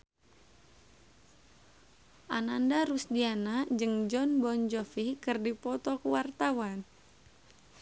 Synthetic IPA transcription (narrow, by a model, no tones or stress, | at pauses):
ʔanandaɾusdianad͡ʒɨŋd͡ʒɔnbɔnd͡ʒɔfikɨrdipɔt̪ɔkuwart̪awan